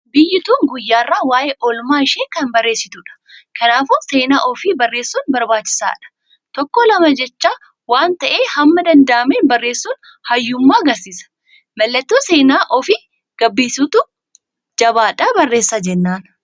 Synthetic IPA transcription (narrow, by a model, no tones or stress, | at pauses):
bɪjːɪt̪uːŋɡʊjːaːrːaːwaːʔeːʔɔlmaːɪʃeːkɐnbɐrːe̞ːsːɪt̪ʊᶑɐ̥ | kɐnaːfʊse̞ːnaːʔɔfiːbɐrːe̞ːsːuːnbɐɾbaːt͡ʃːɪ̥sa̰ːᶑɐ̥ | t̪ɔkːɔlɐmɐd͡ʒɛt͡ʃːaː | waːnt̪ɐʔeːhɐmːɐd̪ɐnd̪ɐʔɐmeːnbɐrːe̞ːsːuːn | hɐjːʊmːaːɐɡɐɾsiːsɐ̥ | mɐlːɐt̪ːuːse̞ːnaːʔɔfɪ | ɡ̥ɐbːiːsuːt̪ʊ | d͡ʒɐbaːᶑaːbɐrːeːsːad͡ʒɛnːaːn